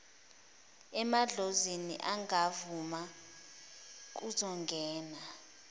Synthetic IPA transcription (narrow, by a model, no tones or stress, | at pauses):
ɛmaɮozenḭʔaŋavuma | k̬uzɔŋɡʱɛːna